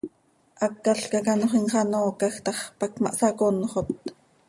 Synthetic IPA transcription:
ʔɑkːaɬkɑkɑnoχinχɑnoːkɑxt̪ɑχpɑkmɑ̰ʔsɑkonːoχot̪̚

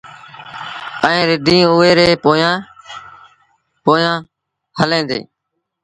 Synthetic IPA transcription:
əẽːɾɪɖʱĩːʊːeːɾeːpoːjãː | poːjãː | həlẽːnd̪ḛː

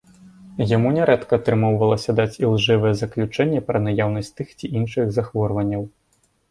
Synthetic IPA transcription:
jamunʲɛɾɛt̪kɐːt̪ɾɨmɔwvɐlˠɐsʲɐd̪at͡sʲilˠʐɛvɐjɛzɐklʲut͡ʂɛnʲːɛpɾɐnajawnɐsʲtʲt̪ɨxt͡sʲiʔinʂɨɣzaxvɔrvɐnʲːɐw

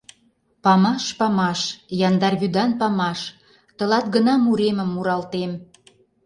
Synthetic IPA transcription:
pɑmɑʃpɑmɑʃjɑnd̪ɑrβyd̪ɑnpɑmɑʃ | t̪ə̆lɑt̪̚ɡənɑmuɾeməmːuɾɑlt̪em

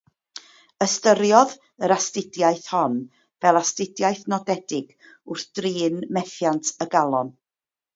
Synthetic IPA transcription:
əstəɾjɔð | əɾastɪdjajθhɔn | vɛlˠastɪdjajθnɔdɛdɪɡ̥ | ʊrθd̥riːnmɛθjantʰəɡalˠɔn

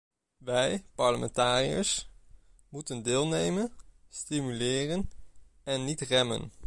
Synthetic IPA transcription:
ʋɛjpɑɹləmɛ̰ntaːrijə̰s | mutəndɪːlˠnejmənstimylɪːrən | ɛnːitrɛmə̰n

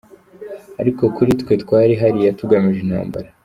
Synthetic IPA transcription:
aɾiko̞kuɾitkwe̞twaːɾiɦaɾijatuɡamiʒenha̰ːmba̰ɾa

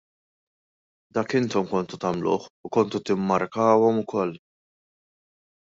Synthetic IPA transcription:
d̪ɐːkɪnt̪ɔmkɔnt̪ut̪ɐmlʊ̰ːħʊkɔnt̪ut̪ɪmːɐɾkɐːwɔmʊkɔl

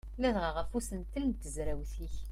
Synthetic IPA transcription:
næðʁəʁəfusənt̪ənt̪ːəzɾæwθiç

